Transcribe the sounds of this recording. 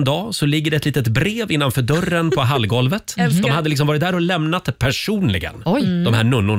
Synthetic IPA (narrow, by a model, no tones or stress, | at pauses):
nd̪ɑːsɔlɪɡːəɖɛt̪liːt̪ət̪bɾeːvɪnːanfœːɖœrːənpʰɔɦalɡɔlvət̪d̪ɔmhad̪ːəlɪks̬ɔmvɑːɾɪt̪̚d̪æːɾɔlɛmnat̪pʰæʂuːnlɪ̰ɡə̰njd̪ɔmhæːɳɵnːʊɳ